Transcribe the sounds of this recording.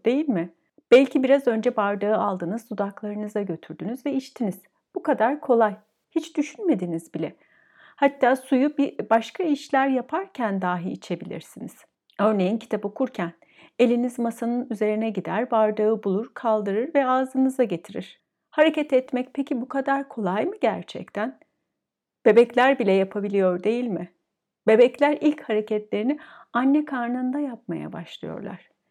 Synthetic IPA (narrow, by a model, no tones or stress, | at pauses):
d̪̥e̞jilʲmɪ | b̥ɛlʲcʰibiɾazø̞nd͡ʒɛbaɾd̪aɯalˠd̪ɯnɯzd̪ud̪aklˠaɾɯnɯzaɟø̞t̪ʰyɾd̪ynyzvɛiʃt̪ʰiniz̥ | b̥ukad̪aɾkʰo̞lˠaj | hit͡ʃd̪̥yʃynme̞d̪inizbilʲɛ | hat̪ʰːaːsujubibaʃkʰaiʃlʲæɾjapʰaɾcʰænd̪aːɦiːt͡ʃʰe̞bilʲḭɾsiniz̥ | ø̞ɾne̞jincʰi̥t̪ʰapo̞kʰuɾcʰæn | e̞lʲinizmasanɯnyze̞ɾinɛɟid̪æɾvaɾd̪ɯɯbulˠuɾ̥kʰalˠd̪ɯɾɯɾvɛaːzɯnɯzd̪aɟe̞t̪ʰiɾiɾ̥ | haɾecɛt̪ɛt̪mɛc̚pʰecʰibukʰad̪aɾkʰo̞lˠajmɯɟæɾt͡ʃʰɛ̰c̚t̪ʰæn | b̥e̞bɛclʲæɾbilʲɛjapʰabilʲijo̞ɾd̪e̞jilʲmɪ | be̞bɛclʲæɾilʲchaɾe̞cʰɛt̪lʲe̞ɾinɪanːɛkʰaɾnand̪ajap̚ma̰ja̰ba̰ʃlˠɯ̰jo̞̰ɾlˠa̰ɾ̥